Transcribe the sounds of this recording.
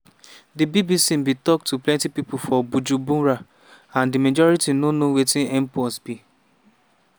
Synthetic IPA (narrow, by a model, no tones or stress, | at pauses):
dibibisim̩bitɔk̚tʰuplɛ̃ntipipʊfɔbud͡ʒubũɾa | ãndimad͡ʒɔɹitinonowetĩnɛmpɔsbi